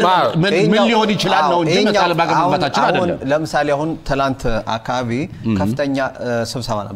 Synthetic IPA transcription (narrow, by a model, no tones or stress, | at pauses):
mɨheɲmɨnjihonjɪt͡ʃɪlaːəwəɲːalbaɡəmhat̪at͡ʃːɪnadəunːləmɨsalejahunt̪ʰɨnant̪a̰kʰːaβaβikʰəffɨt̪ʰəɲːasɨβsəβa̰nə̰b